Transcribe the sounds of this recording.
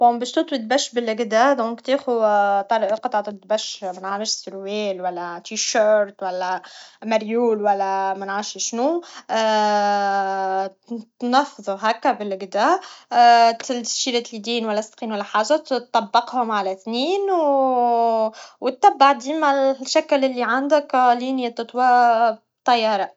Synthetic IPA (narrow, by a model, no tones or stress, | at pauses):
ʊmbæːʃt̪ut̪ˤwit̪̚bæʃːbɪlʔɪɡd̪æd̪ɔ̃ːŋkt̪iːxut̪ɑɾʔlqɑt̪ˤʕɑt̪ˤt̪̚bæʃmænʕaɾˤəʃsʊɾwɛːlwælːæt̪iʃøːɾt̪wælːæmæɾjuːlwælːæmænʕaːɾʃʃnu | t̪nɑfðˤʊɦækːæbɪlɡd̪a | t̪lʃiɾat̪lid̪iːnwælːæst̪qiːnwælːæħaːʒat̪ˤːɑbːɑqhʊmʕalæθniːn | wt̪ːæbːaʕd̪iːmaʃæklɪlːiʕand̪ɪkliːnjat̪ɨt̪ˤwabt̪ˤːɑjːɑːɾˤɑ